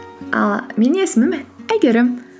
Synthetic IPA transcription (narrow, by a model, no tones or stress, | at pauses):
ɑ̰lˠme̞ne̞sɪmɪmæjɡʲe̞ɾɪm